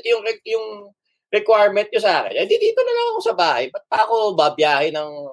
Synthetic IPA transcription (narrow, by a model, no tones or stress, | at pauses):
jʊŋɛjʊŋ | ɾɛkwajɹmɛnt̪̚ɲʊsaːkɛ̰nʔɐjd̪id̪iːt̪onɐlaŋɐko̞sɐbaːhɐjbɐt̪̚paʔɐkobɐbjaːhɛnɐŋ